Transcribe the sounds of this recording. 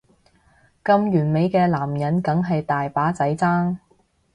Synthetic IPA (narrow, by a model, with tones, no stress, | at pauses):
kɐ˧mjyː˨˩nme˨˧jkɛː˧laː˨˩mjɐ˨˥nkɐ˨˥ŋɦɐ˨jt̪aː˨jpaː˨˥t͡sɐ˨˥jt͡saː˥ŋ